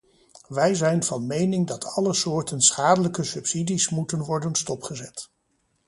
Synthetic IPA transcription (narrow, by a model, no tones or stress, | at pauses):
ʋɛjzɛjnv̥ɑnmejnɪŋdɑtʰɑləsʊːɹtənsχaːdələkəsɵpsidismutənʋɔɹdənstɔpχəzɛt